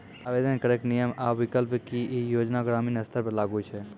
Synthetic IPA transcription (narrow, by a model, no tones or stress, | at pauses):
aːʋed̪ənkəɾeknijəmaːʋɪkəlpkijoːd͡ʒnaɡɾaːmiːnɐst̪ʰəɾpɐɾlaːɡut͡ʃʰe